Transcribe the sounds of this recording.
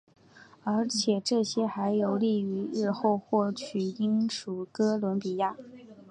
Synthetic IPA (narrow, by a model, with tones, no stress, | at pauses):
ə˞˧˥t͡ɕʰjɛ˨˩ʈ͡ʂɤ˥˩ɕjɛ˥xa˧˥ɪjo˧˥ʊli˥˩y˧˥ɻɻ̩˥˧xo˥˧ʊxwɔ˥˩t͡ɕʰy˨˩i˥ŋʂu˨˩kɤ˥lwə˧˥npi˨˩ja˥˩